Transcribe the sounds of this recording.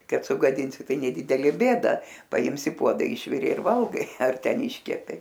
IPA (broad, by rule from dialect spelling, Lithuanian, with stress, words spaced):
ˈkɐt sʊɡɐˈdʲɪnʲsʲɪ ˈtɐɪ nʲɛˈdʲɪdʲɛlʲeː ˈbʲeːdɐ pɐˈɪms ɪ ˈpuɔdɐ ˈɪʃʲʋʲɪrʲeː ɪr ˈʋɐlˠɡɐɪ ɐr ˈtʲɛn ˈɪʃʲkʲɛpʲeː